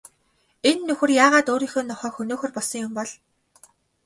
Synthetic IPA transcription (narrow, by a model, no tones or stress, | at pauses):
enːɵxɘ̆rjaːʁaːt̪oːɾiːŋxŏːnɔχœːkxɵnoːxɵ̆rpɔɮsɞ̆ŋjʊmpɔɮ